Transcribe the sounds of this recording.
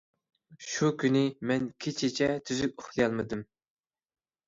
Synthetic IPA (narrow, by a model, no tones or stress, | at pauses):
ʃukʲynɪmɛnkʲʰet͡ʃʰit͡ʃʰɛt̪ʰyzykʲʊχˠjɑlˠmɨd̪ɨm